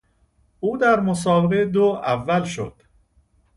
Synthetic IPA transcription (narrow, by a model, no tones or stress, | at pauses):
ʔuːd̪æɾmosɒːbeʁed̪oævːælʃo̰d̪̥